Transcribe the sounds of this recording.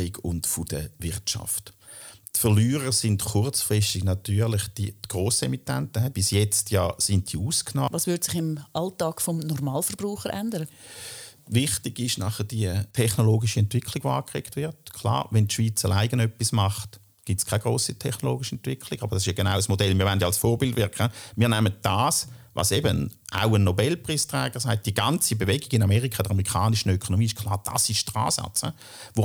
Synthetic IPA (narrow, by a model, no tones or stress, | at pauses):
ɪɡʊ̰ntfʊd̥əvɪʁtt͡ʃɑ̰ft | tfəʁlyːʁəsɪndkʊʁt͡sfʁɪstɪɡnɑtyːɐʁlɪχd̥iɡ̥ʁoːsemitːɛntəɦɛb̥ɪsjɛt͡stʰjɑːsɪnt̚d̥iuːskʰnɔːʋɑːsvʋʏdsɪχɪmʔɑltɑːkfɔmnɔɾmɑːlfəɾb̥ɾuːχəɾʔændəɾə | vɪχtɪɡɪʃnɑχəd̥iətʰɛχnoloːɡɪʃəɛntvɪkʰliɡ̥voaːkʁḛːktvɪɐtkʰlɑ̰ːʋɛntʃʋ̥iːt͡sɐlʔaɪɡənœpːismɑχt | ɡ̥itskʰaɪɡ̥ʁoːsitʰɛχnoloːɡiʃiɛntvɪkʰlɪɡ̥ɑb̥ɐd̥ɑsɪʃjaɡ̥enaʊəsmodɛlmiːɐʋɛndjalsfɔːɐbɪldvɪɐkχəmiːɐnɛmət̚d̥aːsvɑ̰sebənʔa̰ʊənːobɛlpʁiːstʁɛːɡ̥əʁsaɪt̚d̥iəɡɑnt͡sibevɛɡɪɡɪnamɛʁikʰɑd̥əʁmeʁikʰɑːnɪʃən̩økʰonomiːɪʃkʰlɑːʁd̥a̰sɪʃd̥ʁa̰ːsɑ̰t͡sə | ʋo